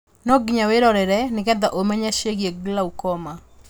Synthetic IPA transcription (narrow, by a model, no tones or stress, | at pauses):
nɔɡɲaweɾɔɾɛɾɛnɪkɛd̪aʔomɛɲaʃeɡjeɡlaukɔma